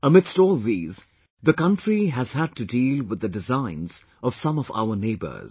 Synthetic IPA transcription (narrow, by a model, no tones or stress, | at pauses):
əmɪdstɔːlˠðiːz | ðəkʌ̃ntɹiɦæz̥ɦæd̚tɨdiːlˠwɨðɨdɨzãɪ̃nz̥ | ʌv̥sʌ̃mʌva̰ʊə˞neɪbə̰˞z̥